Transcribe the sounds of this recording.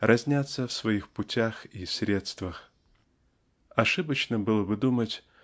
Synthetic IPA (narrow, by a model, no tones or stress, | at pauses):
rʔɐzʲnʲat̪səfsvɐixpʊtʲaxisʲɾʲe̞t̪st̪vəx | ɐʂɨbət͡ɕnəbɨlˠəbɨd̪umətʲ